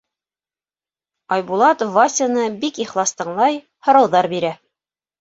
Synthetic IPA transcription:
ɑjbulˠɑt̪vasʲɪnɤbikiχlˠɑst̪ɤ̆ɴlˠɑj | hŏɾɑwðɑɾbiɾæ

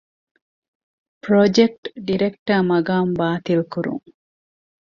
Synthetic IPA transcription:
pɾod͡ʒek̚ʈɖiɾekʈɐmɐɡaːmbaːt̪ilkuɾṵŋ

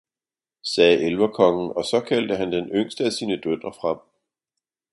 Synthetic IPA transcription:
sɛːʔelʋɐkʰɒ̽ŋn̩ɒ̽sɒ̽kʰæld̥əɦænd̥enøŋ̰sd̥əæsiːnəd̥ød̥ɐfʁɑ̈m̰

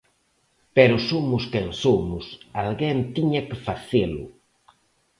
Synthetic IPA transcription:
pɛɾʊsomʊskeŋsomʊsalɣɛnt̪iɲɐkɪfaθelʊ̰

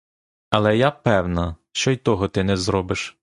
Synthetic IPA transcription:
ɐlˠɛjapɛwnɐʃt͡ʃɔjt̪ɔɦɔt̪ɪnɛzɾɔbɪʃ

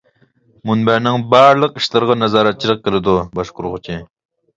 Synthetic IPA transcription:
munbæɾnɪŋbɑːɾlˠəqiʃlˠɑɾʁɑnæzɑːɾɑt̪̚t͡ʃʰilˠəq̚kʲelɪd̪ubɑʃqʊɾʁʊt͡ʃʰi

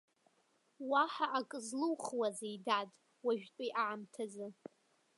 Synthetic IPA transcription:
waħaʔakʼɨzlɨwχwazejdatʼ | waʒᶣtʼijʔaʕamtʰazɨ

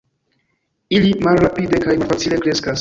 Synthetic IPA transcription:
ilimalɾapide̞kajmalfat͡sile̞kɾe̞skas

